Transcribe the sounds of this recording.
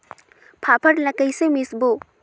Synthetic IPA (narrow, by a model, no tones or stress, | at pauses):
pʰapʰɐɾlɐkɐjsemisbu